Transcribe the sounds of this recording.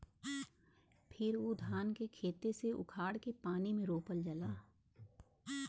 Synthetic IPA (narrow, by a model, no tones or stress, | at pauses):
pʰɪɾoːd̪ʱaːnkekʰeːt̪eseʊ̰kʰaːɽkepaːnimẽɾoːpəld͡ʒɐlaː